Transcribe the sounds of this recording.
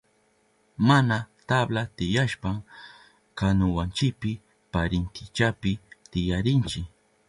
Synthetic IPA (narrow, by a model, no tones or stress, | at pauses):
manat̪ablat̪ɪjaʃpam | kanʊwant͡ʃɪpɪ | paɾɪnt̪ʰɪt͡ʃapɪt̪ɪjaɾɪnt͡ʃɪ